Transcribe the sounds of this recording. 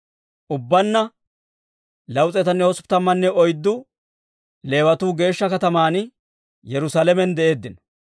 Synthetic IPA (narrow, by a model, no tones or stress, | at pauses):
ʔʊbːɐnːɐ | lɐwt͡sʼɛt̪ɐnːɛhɔspt̪ɐmːɐnːɛɔjd̪ːʊ | le̞ːwɐt̪uːɡe̞ːʃːɐkɐt̪ɐmaːn | jɛɾʊsaːlɛmɛnd̪ɛʔe̞ːd̪ːɪnɔ̥